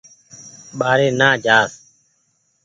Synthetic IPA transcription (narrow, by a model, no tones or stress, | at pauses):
ɓaːɾeːnaːd͡ʒaːs